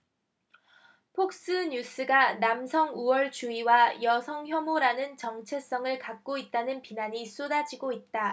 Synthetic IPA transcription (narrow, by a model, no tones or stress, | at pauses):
pʰok̚s͈ɯɲus͈ʰɯɡanamsʰʌŋuwʌɭt͡ɕuiwajʌsʰʌŋçjʌmoɾanɯnt͡ɕʌŋt͡ɕʰe̞s͈ʌŋɯɭkak̚k͈oit̚t͈anɯnpinaɲis͈odad͡ʑiɡoit̚t͈a